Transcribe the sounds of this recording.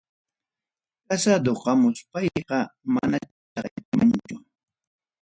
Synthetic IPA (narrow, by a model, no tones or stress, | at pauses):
kasad̪oqɑmʊspɑjqɑma̰na | t͡ʃɑχjakɪmant͡ʃʊ